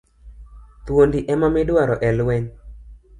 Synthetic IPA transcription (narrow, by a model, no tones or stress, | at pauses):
t̪wondiʔɛmamɪdwaɾɔʔɛlwɛɲ